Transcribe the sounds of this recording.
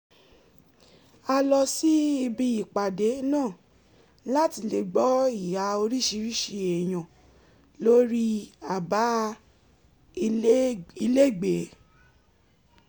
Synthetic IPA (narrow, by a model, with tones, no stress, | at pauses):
a˧lɔ˧si˦i˧bi˧i˨k͡pa˨de˨˦nãː˦˨ | la˦ti˧le˧ɡ͡bɔ˦i˦˨ja˧o˧ɾi˦˨ʃi˧ɾi˦˨ʃi˧e˨j̃ã˨ | lo˦ɾi˦a˨ba˨˦ | i˧le˦˨ɡ͡be˨˦